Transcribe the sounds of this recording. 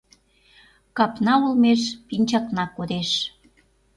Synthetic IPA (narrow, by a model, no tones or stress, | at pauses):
kɑpnɑulmeʃpinʲt͡ɕɑknɑkːod̪eʃ